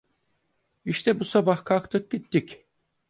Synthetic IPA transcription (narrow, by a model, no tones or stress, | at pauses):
iʃt̪ʰɛbusabahkʰakt̪ʰɯk̚ɟit̪ːic